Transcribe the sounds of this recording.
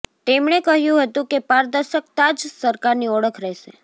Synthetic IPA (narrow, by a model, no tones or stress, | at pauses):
t̪emɳekəɦjũɦət̪ũkepaɾd̪əɾʃək̚t̪ad͡ʒsəɾkaɾniɔɽəkʰɾɛɦʃe